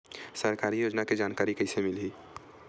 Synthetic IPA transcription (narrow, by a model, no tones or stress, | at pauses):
səɾkaːɾijoːd͡ʒnaked͡ʒaːnkaːɾikəɪsemɪlɦiː